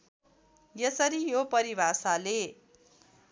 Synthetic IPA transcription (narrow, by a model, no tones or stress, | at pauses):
jesʌɾijopʌɾibʱasale